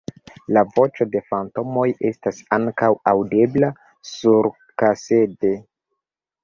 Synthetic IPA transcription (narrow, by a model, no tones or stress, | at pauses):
lavo̞t͡ʃo̞de̞fanto̞mo̞je̞stasaŋkawawde̞bla | suɾ | kase̞de̞